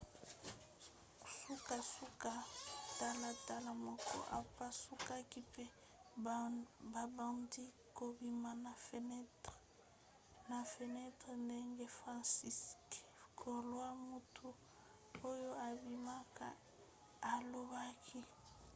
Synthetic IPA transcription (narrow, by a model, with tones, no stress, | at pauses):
su˦ka˨su˦ka˨ta˦la˨ta˦la˨mɔ˨kɔ̰˦ʔa̰˨pa˦su˦ka˦ki˦pe˦ | ba˨ba˨ndi˦ | ko˨bi˦ma˦na˨fn˦ | na˨fe˨nɛ˦tʁɛ˨nde˦ŋɡe˦fʁa˦nsi˦skkʰo˨lwa˦mu˨tʰu˦ | o˦jo˦a˨bi˨ma˦ka˦˨ | a˨lo˦ba˦kʰi˦